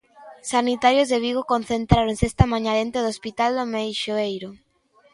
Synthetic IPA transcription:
sanit̪aɾjozðeβ̞iɣokon̟θent̪ɾaɾoŋsest̪amãɲaðent̪eðospit̪ald̪omejʃoejɾo

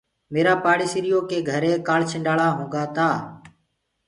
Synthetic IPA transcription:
meːɾaːpaːɽiːsiɾɪjoːkeːɡʱəɾẽːkaːɭt͡ʃʰɪ̃ɳɖaːɭaːɦũːŋɡaːt̪aː

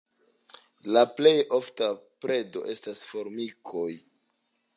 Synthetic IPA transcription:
laple̞jo̞ftapɾe̞do̞̰ʔe̞stasfo̞ɾmikʰo̞j

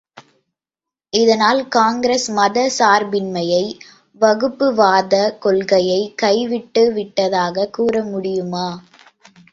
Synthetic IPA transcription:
ɪðɐnaːlkaːŋɡɪɾesmɐðɐsaːɾbɪnmɐjɐɪ | ʋɐɣɯpːɯʋaːðɐkɔlɣɐjɐɪkɐɪʋɪʈːɯʋɪʈːɐðaːɣɐkuːrɐmʊɽɪjɯmaː

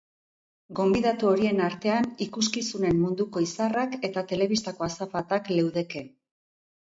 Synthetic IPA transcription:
ɡo̞mbiðat̪uo̞ɾie̞naɾt̪e̞anikuskisune̞mːund̪uko̞isarake̞t̪at̪e̞le̞β̞ist̪ako̞asafat̪akle̞wðe̞ke̞

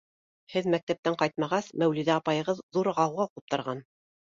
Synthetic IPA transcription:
hɘðmæk̚t̪æp̚t̪æɴqɑjt̪mɑʁɑsmæwliðæɑpɑjɤ̆ʁɤðːuɾʁɑwʁɑqɤp̚t̪ɤ̆ɾʁɑn

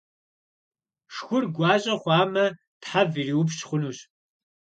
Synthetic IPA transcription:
ʂxʷʊrɡʷɑːɕʼɐχʷɑːmɐ | tħaviriːwʊpɕχʷʊnuːɕ

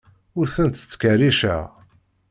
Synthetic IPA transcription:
ʊɾθənt̪t͡sːkæriʃæ̰

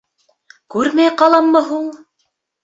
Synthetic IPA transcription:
kʉɾmæjqɑlˠɑmːɤɦuɴ

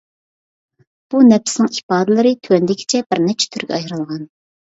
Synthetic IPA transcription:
b̥unɛpʰsnɪŋipɑːd̪ɪlˠɨɾɨt̪ʰywɛnd̪ɪkʲʰi̥t͡ʃʰɛbɪɾnɛt͡ʃʰɛ̥t̪ʰyɾɡʲɛɑjɾɨlˠʁɑn

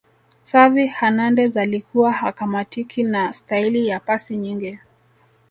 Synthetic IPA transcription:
savihanandɛzalikʰuwahakamatikʰinastailijapasiɲiŋɡi

